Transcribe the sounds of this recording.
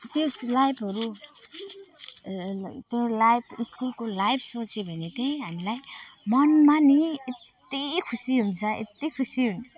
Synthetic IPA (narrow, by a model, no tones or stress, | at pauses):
t̪joslajbʰʌɾu | t̪olajbʰiskulkolajbʰsot͡sʰebʱʌnet̪ej̃ɦamilajmʌnmaniet̪ːikʰusiɦunt͡sʰʌḛt̪ːikʰusiɦunt͡sʰʌ